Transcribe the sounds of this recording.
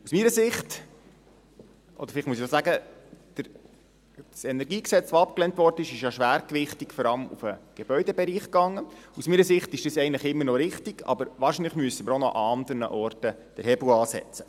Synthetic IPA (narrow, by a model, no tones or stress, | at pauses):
usmiːɾəsɪχt | ʔɔ̰d̥̪ə̥fɪlɪχtmuəsiosæɡəd̥əɾ | sɛnɛɾɡiːksɛt͡sʋoɑp̚klɛntʋɔɾdənɪʃɪʃjɑʃʋæːɾkʋɪχtikfɔɾɑləmṵfəɡ̥ebœʏdɛbɛɾiːχkɑŋːəusmiːɾəsɪχtɪʃd̥isɛɪəntləχɪmːəɾnɔɾɪχtiɡ̥ɑ̰bəɾʋɑːɾʃiːnləχmyəsəməɾonɔ̰ʔɑɑnd̪əɾnə̰ʔɔrtə | d̥əɾhɛbl̩ɑːsɛ̰t͡sə̥